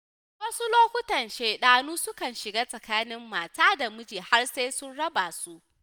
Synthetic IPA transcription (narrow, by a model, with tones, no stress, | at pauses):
wɐ˦su˦loː˦kʷʊ˦tɐ˨nʃeː˨ɗaː˨nuː˦sʊ˦kɐ˨nʃɪ˨ɡaː˦sʼɐ˨kaː˦nɪ˦mːaː˨taː˦da˨mʊ˦d͡ʒiː˨ha˦rseː˦sʊ˦nɽɐ˦ba˨su˦ʔ